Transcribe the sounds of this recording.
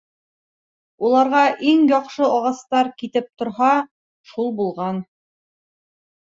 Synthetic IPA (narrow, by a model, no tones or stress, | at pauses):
ulˠɑɾʁɑʔiŋjɒqʃɤɒʁɑst̪ɑɾkit̪ɘp̚t̪ŏɾɦɑ | ʃulˠbulˠʁɑn